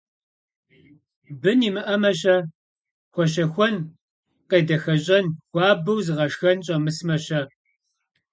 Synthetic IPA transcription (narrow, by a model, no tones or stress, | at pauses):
bɨnimɨʔɐmɐɕɐ | xʷɔɕɐxʷɔn | qeːdɐxɐɕʼɐnxʷɑːbɐwzɨʁɐʂxɐnɕʼɐmɨsmɐɕɐ